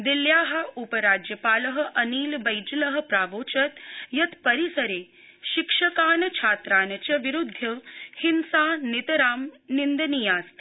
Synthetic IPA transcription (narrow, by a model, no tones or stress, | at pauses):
d̪iljaːɦɐ̆upɐɾaːd͡ʒjɐpaːlɐɦɐ̆ʔɐniːlbɐjd͡ʒlɐɦɐ̆pɾaːʋoːt͡ʃɐt̪jɐt̪pɐɾisɐɾeː | ʃikʂɐkaːnɐt͡ʃʰaːt̪ɾaːnɐt͡ʃɐʋiɾud̪ʱːɐhinsaːnit̪ɐɾaːmnind̪ɐnijaːst̪